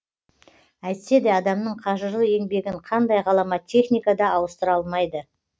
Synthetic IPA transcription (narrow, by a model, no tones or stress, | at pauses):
æjt̪se̞d̪ɪɑd̪ɑmnəɴqʰɑʒəɾlˠəe̞ŋbe̞ɡʲɪɴqʰɑnd̪ɑjʁɑlˠɑmɑt̪ʲʰːe̞χnʲijkad̪ɑɑwəst̪əɾɑlˠmɑjd̪ə